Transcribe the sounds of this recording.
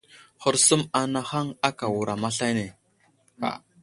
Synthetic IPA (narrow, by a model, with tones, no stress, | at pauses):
xʊ˦ɾsə˦ma˨na˦xa˦ŋa˦ka˨wu˨ɾa˨ma˦ɬa˦ne˨ | a̰˨